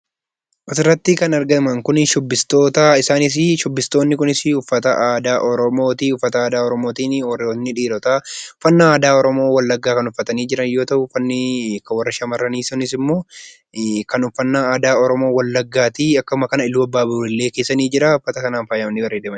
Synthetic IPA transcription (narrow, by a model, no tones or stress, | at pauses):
ʔɐsɪrːɐt̪ːɪkɐnɐɾɡɐɪmɐŋkʊnʃɔbːɪst̪o̞ːt̪ɐɪsaːnɪs̬ɪʃɔbːɪst̪o̞ːnːɪkʊnɪsɪʊfːɐt̪ɐʔaːd̪aːʔɔɾɔmo̞ːt̪iʊfːɐt̪ɐaːd̪aːɔɾɔmoːt̪iːnnːɪᶑiːɾɔt̪aʊfːɐnːɐaːd̪aːɔɾɔmo̞ːwɐlːɐɡːaːkɐnʊfːɐt̪ɐniːd͡ʒɪɾɐnjo̞ːt̪ɐʔʊfːɐnːɪkɐwɐrːɐʃɐmɐrːɐniːsɔnɪs̬ɪmːo̞ː | kɐnʊfːɐnːaaːd̪aːɔɾɔmo̞ːwɐlːɐɡːaːt̪iɐkːɐʊmɐkɐnɐɪlːuːɐbːaːbʊɪlːe̞ːkeːsːɐniːd͡ʒɪɾaʊfːɐt̪ɐkɐnaːnfaːjɐmɐnːɪbɐrːeːd̪emɐn